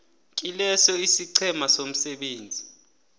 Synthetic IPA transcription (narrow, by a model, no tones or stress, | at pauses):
kʼilɛsɔisiǀʰɛmasom̩sɛɓeːnd͡zʱi